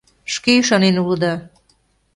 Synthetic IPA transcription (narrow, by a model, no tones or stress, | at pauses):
ʃkeʃɑnenulɤd̪ɑ